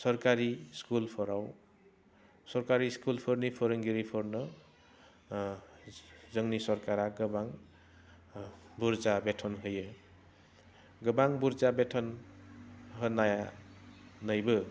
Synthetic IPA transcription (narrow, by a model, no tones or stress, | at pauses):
sʌɾkaɾiskulpʰʌɾaw | sʌɾkaɾiskulpʰʌɾnipʰʌɾʌŋɡiɾipʰʌɾnʌ | zʌŋnisʌɾkaɾaɡʌbaŋ | buɾd͡zabetʰʌnɦʌjʌ | ɡʌbaŋbuɾd͡zabetʰʌn | ɦʌnaja | nʌjbɯ